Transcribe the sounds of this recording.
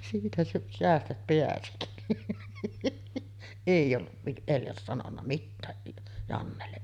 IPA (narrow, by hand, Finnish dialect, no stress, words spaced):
siːtæ sæ seæstæt peæsi eˑij olːuʋ ʋiʔ eljɑs sɑnonːɑ mitːæː jɑnːelːe